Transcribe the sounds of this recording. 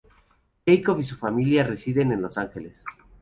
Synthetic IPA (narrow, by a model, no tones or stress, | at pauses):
ʝejkofis̬ufamiljare̞siðe̞ne̞nlo̞saŋxe̞les